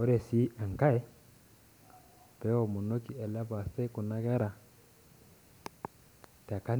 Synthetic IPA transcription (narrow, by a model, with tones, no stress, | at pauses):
ɔ˦ɾɛ˨si˦a˨ŋ˨ka˦ɛ˦ | pɛ˦ɔ˨mu˨no˦ki˨ɛ˨la˦ba˨sɛ˦ku˨na˦kɛ˦ɾa˨ | ta˨ka˦